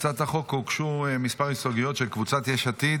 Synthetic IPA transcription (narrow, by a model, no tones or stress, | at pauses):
t͡sat̪aχo̞kukʃumispaʁisoɡijo̞t̪ʃelkvut͡sat̪jeʃat̪it